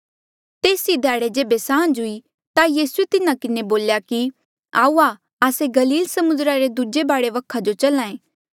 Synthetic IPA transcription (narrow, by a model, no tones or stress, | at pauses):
t̪eːsid̪ʱaːɽed͡ʒeːbesãːnd͡ʒɦʊi | t̪ajiːsuet̪ɪnãkɪneboːljaki | a̰ːua | aːseɡɐliːlsɐmʊnd̪ɾaɾed̪ud͡ʒebaːɽeʋɐkʰad͡ʒot͡ʃɐlãːẽː